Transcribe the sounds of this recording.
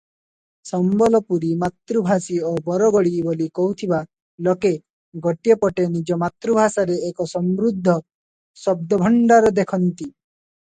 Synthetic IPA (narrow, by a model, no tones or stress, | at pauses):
sɔmbɔlɔpuɾimat̪ɾubʱasiobɔɾɔɡɔɽibolikɔɦut̪ʰiba | lɔke | ɡɔʈijepɔʈenid͡ʒɔmat̪ɾubʱasaɾeːkɔsɔmɾud̪ʱːɔ | sɔb̚d̪ɔbʱɔɳɖaɾɔd̪ekʰɔnt̪i